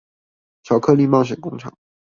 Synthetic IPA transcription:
ɕʰjɑ˨˩ʊkʰɤ˥˧li˥˧mɑ˥˩ŋɕ̬ɥɛ˨˩nkʊ˥ŋʈ͡ʂʰɑ̰˨˩˦ŋ

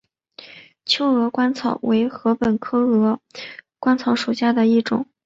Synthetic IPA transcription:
t͡ɕʰjo˥ʊɤ˧˥kwa˥nt͡sʰɑ˨˩ʊwe˧˥ɪxɤ˧˥pə˨˩nkʰɤ˥ɤ˧˥kwa˥nt͡sʰɑ˧˥ʊʂu˨˩ɕja˥˩d̪ə˨i˥˩ʈ͡ʂʊ̰˨˩˦ŋ

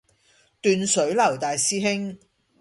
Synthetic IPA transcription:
t̪yː˨nsɵ˨˥ɥlɐ˨˩wt̪aː˨jsiː˥ɦɪ˥ŋ

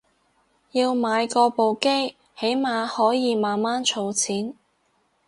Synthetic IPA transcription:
jiː˧wmaː˨˧jkɔː˧po˨wke˥j | he˨˥jmaː˨˧hɔː˨˥jiː˨˧maː˨nmaː˥nt͡ʃʰo˧wt͡sʰiː˨˥n

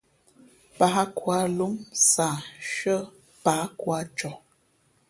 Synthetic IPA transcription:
pa˨˦kwa˨˦lu˦msa˨ʃə˦ | pa˨˦kwa˦t͡ʃɔ˨

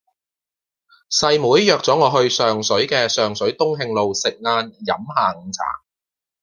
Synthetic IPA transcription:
sɐ˧jmuː˨˥jːœː˨˧k̚t͡sɔː˨˥ŋɔː˨˧ɦɵ˧ɥsœː˨ŋsɵ˨˥ɥkɛː˧sœː˨˩ŋsɵ˨˥ɥt̪ʊ˥ŋɦɪ˧ŋlo˨wsɪ˨k̚ŋaː˧njɐ̰˨˥mhaː˨ŋ̩˨˧t͡sʰa̰ː˨˩ŋ

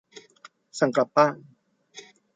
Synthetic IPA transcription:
sa˨˩˦ŋkɾa˨˩p̚ːaː˥˩n

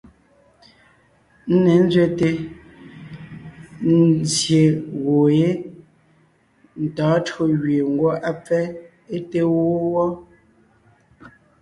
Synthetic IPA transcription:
n̩˦ne˨˦n̩˦zɥe˦te˦ | n˦zje˨ɣo˨je˦ | n̩˨tɔː˨˦tɰo˦ɣɥe˨ŋ̩˦ɡwɔ˦ʔa˦p͡fɛ˦ | e˦te˦wo˦wɔ˦

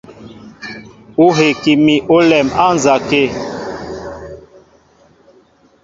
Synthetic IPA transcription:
u˦ɦe˨ki˨mi˨ʔo˦lɛ˨ma˦n˨za˨ke˦

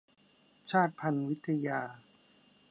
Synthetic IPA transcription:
t͡ɕʰaː˥˩t̪̚pʰa˧nwi˦˥t̪ʰːa˧jaː˧

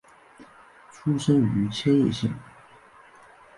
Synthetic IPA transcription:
ʈ͡ʂʰu˥ʂə˥ny˧˥t͡ɕʰjɛ˥njɛ̰˥˧ɕḭ˥˩ŋ

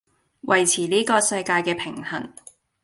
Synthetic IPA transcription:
wʔɐ˨˩jt͡sʰiː˨˩liː˥kɔː˧sɐ˧jkaː˧jkɛː˧pʰɪ˨˩ŋhɐ̰˨˩n

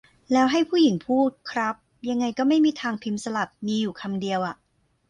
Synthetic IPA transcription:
lɛː˦˥wɦa˥˩jpʰuː˥˩ji˩˦ŋpʰuː˥˩t̪̚kʰɾa˦˥p̚ja˧ŋːa˧jkɔː˥˩ma˥˩jmiː˧t̪ʰaː˧ŋpʰi˦˥msa˧la˨˩p̚miː˧juː˨˩kʰa˧mdi˧əwʔa˨˩ʔ

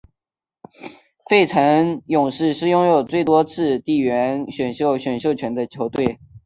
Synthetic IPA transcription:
fe˥˩ɪʈ͡ʂʰɤ˧˥ŋjʊ˨˩ŋʂɻ̩˥˧ʂɻ̩˥˧jʊ˥ŋjo˨˩ʊt͡swe˥˩ɪt̪wɔ˥t͡sʰɹ̩˥˧t̪i˥˩ɥɛ˧˥nɕɥɛ˨˩nɕjo˥˩ʊɕɥɛ˨˩nɕjo˥˩ʊt͡ɕʰɥɛ˧˥nd̪ə˧t͡ɕʰjo˧˥ʊt̪we˥˩ɪ

